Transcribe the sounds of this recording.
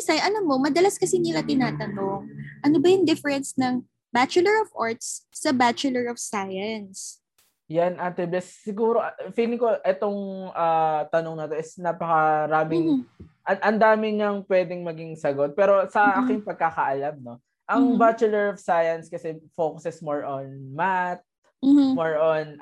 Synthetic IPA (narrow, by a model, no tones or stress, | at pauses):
ɪsɐjʔɐlamːo̞mɐd̪ɐlɐskɐsinɪlɐt̪ɪnaːt̪ɐno̞ŋʔɐnobɐjʊŋd̪ɛfɛɹɛnsnɐŋ | bat͡ʃʊlɛɹɔvʔaɹt̪sːɐbat͡ʃʊlɛɹɔfsajɐns | janʔat̪ɛbɛsːɪɡuːɾo̞ʔfiːlɪŋko̞ʔɛt̪o̞ŋʔaːt̪ɐnoŋnɐt̪o̞ʔɪsnaːpɐkɐɾaːmɪŋʔɐʔɐnd̪aːmɪɲɐŋpwɛːd̪ɪŋmɐɡɪŋsɐɡot̪̚pɛːɾo̞sɐʔʔaːkɪŋpɐɡ̚kaːkɐʔɐlamno̞ | ʔɐŋbat͡ʃʊlɛɹɔfsajɐnskɐsɛfoːkʊsɛsmoɹʔonmat̪̚ | m̩moɹʔon